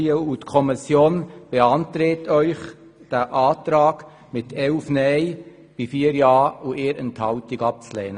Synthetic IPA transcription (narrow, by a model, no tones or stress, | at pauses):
əutkʰɔmɪsjoːnb̥eɑntɾeːtʰœʏχ | d̥æʔɑːtɾɑːɡ | mɪt̪ʰɛlfnɛɪ | b̥ifiːəɾjɑːuʔeːɾənt̪hɑʊtɪɡɑp̚t͡slɛːnə